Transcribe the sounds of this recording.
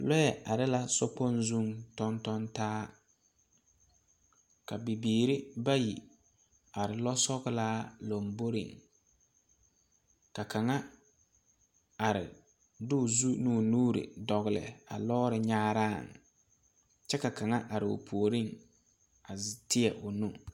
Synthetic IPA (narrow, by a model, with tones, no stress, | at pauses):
lɔ˦jɛ˨ʔa˨ɾɪ˦la˦sɔ˦k͡pɔ˦nzu˦ŋtɔ˦ntɔ˦ntaː˦ | ka˨bi˨biː˨ɾɪ˦ba˦ji˨ | a˨ɾɪ˨lɔ˦sɔ˦ɣɪ˦laː˦lo˨mbo˦ɾɪ̰˨ŋ | ka˨ka˨ŋa˦ | a˨ɾɪ̰˨ | dʊ˦˨zu˦nu˦˨nuː˦ɾɪ̰˨dɔ˨ɣɪ˨lɪ̰˨a̰˨lɔː˦ɾɪ˨ɲaː˦ɾaː˦˨ŋ | t͡ʃɛ˦ka˨ka˨ŋa˦ʔa˨ɾɪ˨ʊ̰˨pʰu˨o˨ɾɪ˦ŋ | a˨ztɪ˦ɛ˨ʔʊ˨nu˦